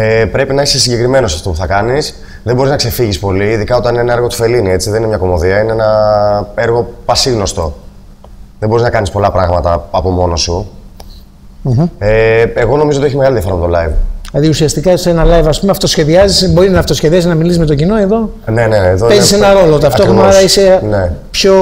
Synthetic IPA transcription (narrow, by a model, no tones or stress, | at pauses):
epɾe̞pinɐisesiɲɟe̞kɾime̞no̞sɐft̪o̞puθɐkɐnis | ðebo̞ɾiznɐkse̞fiʝispo̞liːðikɐo̞t̪ɐnineenɐɾɣo̞t̪o̥fe̞linie̞t͡siðenineɲɐko̞mo̞ðiɐineenɐe̞ɾɣo̞pɐsiɣno̞st̪o̞ | ðebo̞ɾiznɐkɐnispo̞lɐpɾɐɣmɐt̪ɐɐpo̞mo̞no̞su | eeɣo̞no̞mizot̪ieçimeɣɐliðiɐfoɾɐmet̪olɐivlɐðiusiɐst̪ikɐsenɐlɐjvɐspumeɐft̪o̞sçe̞ðiɐzisbo̞ɾinɐft̪osçe̞ðiɐziznɐmilisizme̞t̪ocino̞e̞ðo̞ | ne̞neːðopeisenɐɾo̞lot̪ɐft̪oxɐɐɾɐise̞nepço̞